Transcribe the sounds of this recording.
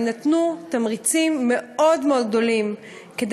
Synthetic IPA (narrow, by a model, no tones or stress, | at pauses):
nat̪nutamʁit͡simːe̞o̞dmeo̞d̪̚ɡ̚d̪o̞lim | ked